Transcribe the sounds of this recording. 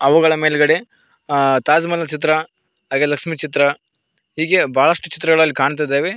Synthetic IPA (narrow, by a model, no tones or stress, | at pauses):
ɐʋuɡɐɭɐmeːlɡɐɽe | t̪aːd͡ʒmɐlːɐt͡ʃit̪̬ɾɐ | ɦaːɡeːlɐkʂmit͡ʃit̪ɾɐ | ɦiːɡe̞baːɭɐʂʈut͡ʃi̥t̪ɾɐɣɐɭɐlːikaːɳt̪̬ajd̪eːʋe